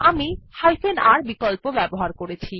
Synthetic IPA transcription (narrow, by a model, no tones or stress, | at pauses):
amihalfenaɾbikɔlpobɛboɦaɾkoɾet͡ɕʰi